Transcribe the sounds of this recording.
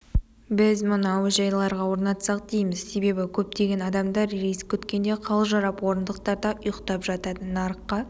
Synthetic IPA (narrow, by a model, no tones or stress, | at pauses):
bɪzmʊnɑwəʒɑjlˠɑɾʁɑwo̞ɾnɑt̪sɑq̚d̪ejməz̥se̞be̞bɪkʲʰɵp̚t̪e̞ɡʲe̞nɑd̪ɑmd̪ɑɾɾejskʲʰɵt̪kʲe̞nd̪e̞qʰɑlˠʒɑɾɑpwo̞ɾənd̪əq̚t̪ɑɾd̪ɑʔʊjəqt̪ɑpʒɑt̪ɑd̪ənɑɾəqːɑ